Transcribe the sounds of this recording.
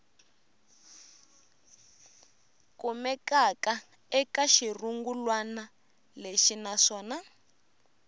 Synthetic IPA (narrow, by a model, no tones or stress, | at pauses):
kumɛkaka | ɛkaʃiruŋɡulwana | leʃinaʂɔːna